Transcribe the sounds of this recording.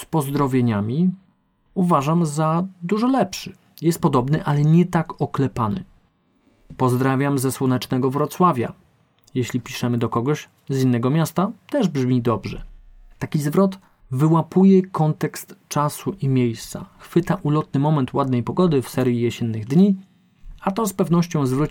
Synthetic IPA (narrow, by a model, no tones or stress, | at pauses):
spɔzd̪ɾɔvʲjeɲamʲi | uvaʐamzad̪uʐɔlɛpʂɘ | jɛst̪̚pɔd̪ɔbnɘʔalɛɲɛt̪akɔklɛpanɘ̰ | pɔzd̪ɾavʲjamzɛswɔnɛt͡ʂnɛɡɔvɾɔt̪swavʲja̰ | jeɕlʲipʲiʂɛmɘd̪ɔkɔɡɔɕ | zinːɛɡɔmʲjast̪at̪ɛʐbʐmʲid̪ɔbʐɛt̪akʲizvɾɔt̪ | vɘwapujɛkɔnt̪ɛkst̪t͡ʂasuʔimʲjejst̪sa̰xfɘt̪aʔulɔt̪nɘmɔmɛnt̪wad̪nɛjpɔɡɔd̪ɘfsɛɾjijɛɕɛnːɘɣd̪ɲi | at̪ɔspɛvnɔɕt͡ɕɔ̃w̃zvɾut͡ɕ